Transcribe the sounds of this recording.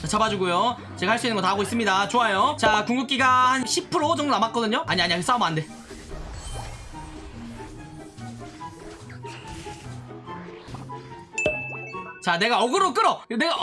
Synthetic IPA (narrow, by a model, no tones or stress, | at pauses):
t͡ɕat͡ɕabad͡ʑuɡujo | t͡ɕe̞ɡahaɭs͈uinɯɡʌtaɦɡois͈ɯmɲidat͡ɕoajot͡ɕakuŋɡup̚k͈iɡahanɕʰipʰɯɾot͡ɕʌŋdonamak͈ʌdɯɲoʔaɲiaɲiaɡes͈aomande̞ | t͡ɕane̞ɡaʌɡɯɾok͈ɯɾʌneɡa